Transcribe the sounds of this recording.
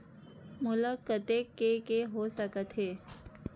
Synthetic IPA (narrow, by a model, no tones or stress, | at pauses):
mʊləkət̪ekːekeɦosəkət̪ɦeː